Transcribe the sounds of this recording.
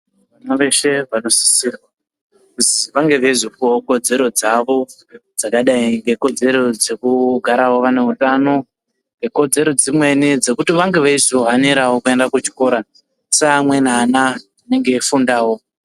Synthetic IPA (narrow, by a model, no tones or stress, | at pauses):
ʋanaʋe̞ʃe̞ʋano̞si̥sirwa | kuziʋaŋɡe̞ʋeizokoko̞d͡ze̞ɾo̞d͡zaʋo̞ | d͡zakaɗaiŋɡe̞ko̞d͡ze̞ɾo̞d͡ze̞kuɡʱaɾawo̞ʋane̞ɦutano̞ | ŋɡe̞ko̞d͡ze̞ɾo̞d͡zimwe̞nid͡ze̞kutiʋaŋɡe̞ʋaisoɦaneɾawokue̞ndakut͡ʃi̥ko̞ɾa | seamwe̞naːna | ane̞ŋɡe̞fundaːwo̞